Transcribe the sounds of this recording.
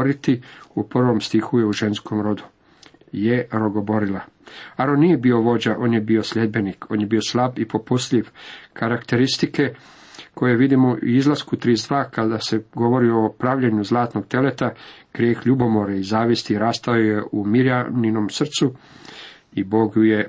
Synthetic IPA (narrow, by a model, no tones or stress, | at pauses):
ɾit̪iupr̩ʋo̞mst̪ixuje̞uʒe̞nsko̞mɾo̞d̪u | je̞ɾoɡo̞bo̞ɾilaaɾonːije̞bio̞ʋo̞d͡ʑaʔo̞ːnje̞bio̞slʎe̞d̪̚be̞nikʰo̞ːnjebio̞slˠabipo̞pust̪ʎʲiʋkaɾakt̪e̞ɾist̪ike̞ | kʰo̞jeʋid̪imoʔizlaskut̪ɾizd̪ʋaːkad̪ase̞ɡo̞ʋo̞ɾio̞pɾaʋʎeɲuzlˠaːt̪no̞ɡ̚t̪e̞let̪aɡ̥ɾʲjeːxʎubo̞mo̞ɾaizaːʋist̪iɾaːst̪aoje̞ʔumiɾjaninomsr̩t̪su | ibo̞ɡjuje̞